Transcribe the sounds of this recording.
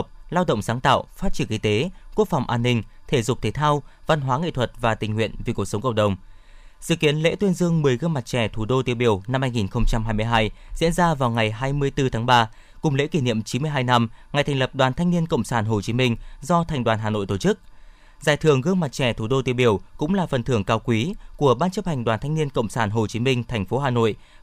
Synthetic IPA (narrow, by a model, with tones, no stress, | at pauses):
k͡p̚laː˧wɗə̰˧˨ŋ͡msaː˨˦ŋt̪a̰ː˧˨wfaː˦˥t̚t͡ɕi˧˩əŋki˧t̪e˨˦ku˦˥ək̚fa˨˩wŋ͡mʔaː˧nːï˧ŋ̟t̪ʰe˧˩zʊ˨˩k͡p̚t̪ʰe˨˦t̪ʰaː˧wva˧nɦwaː˨˦ŋḭ˧˨t̪ʰwə˨˩t̚vaː˨˩t̪ï˨˩ŋ̟hwḭ˧˨ənvi˨˩ku˨˩əksə˨˦wŋ͡mkə̰˧˨wŋ͡m̚ɗə˨˩wŋ͡m | sɨ̰˧˨ki˨˦ənlḛ˧˥t̪wi˧ənzɨ˧əŋmɨ˨˩əjɣɨ˧əŋma˨˩t̚t͡ɕɛ˧˩t̪ʰu˧˩ɗo˧t̪i˨˦əwɓi˧˩əwna˧mhaː˧jŋi˨˩nxə˧wŋ͡mt͡ɕa˧mɦaː˧jmɨ˧əjɦaː˧jzḭ˧˥ənzaː˧vaː˨˩wŋa˨˩jɦaː˧jmɨ˧əjt̪ɨ˧t̪ʰaː˨˦ŋɓaː˧ | kʊ˨˩ŋ͡mlḛ˧˥ki˧˩nḭ˧˨ə˨mt͡ɕi˨˦mɨ˧əjɦaː˧jna˧mŋa˨˩jt̪ʰɛ˨˩ŋ̟lə˨˩p̚ɗwaː˨˩nt̪ʰa˧jŋ̟ni˧ənkə̰˧˨wŋ͡msaː˧˩nɦo˨˩t͡ɕi˨˦mï˧ŋ̟zɔ˧t̪ʰɛ˨˩jŋ̟ɗwaː˨˩nɦaː˨˩no̰˧˨jt̪o˧˩t͡ɕɨ˦˥k̚ | zaː˨˩jt̪ʰɨ˨˩əŋɣɨ˧əŋma˨˩t̚t͡ɕɛ˧˩t̪ʰu˧˩ɗo˧t̪i˨˦əɓi˧˩əwkʊ̰˧˥ŋ͡mlaː˨˩fə˨˩nt̪ʰɨ˧˩əŋkaː˧wkwi˨˦ku˧˩əɓaː˧nt͡ɕɨ˦˥p̚ha˨˩jŋ̟ɗwaː˨˩nt̪ʰa˧ŋni˧ənkə̰˧˨wŋ͡msaː˧˩nɦo˨˩t͡ɕi˨˦mï˧ŋ̟t̪ʰɛ˨˩ŋ̟fo˨˦ɦaː˨˩no̰˧˨j